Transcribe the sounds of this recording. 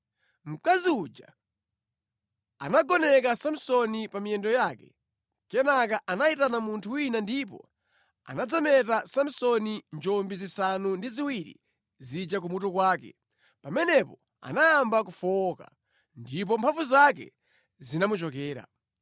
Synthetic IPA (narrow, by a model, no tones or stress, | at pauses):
m̩kaziud͡ʒa̰ | a̰naɡɔnɛkasam̩sɔnipamiɛndɔjakɛ̰ | kɛnakaʔanaitanamuntʰuwinandipɔ̰ | a̰nad͡zɔmɛtasam̩sɔnind͡ʒɔmbizisanundiziwiɾḭ | zid͡ʒak̬umutɔkwaːkɛ̰ | pamɛnɛpɔ | a̰naːmbak̬ufɔka̰ | ndip̬ɔmpʰaɱvuzak̬ɛ̰ | zinamut͡ʃɔkɛːɾa̰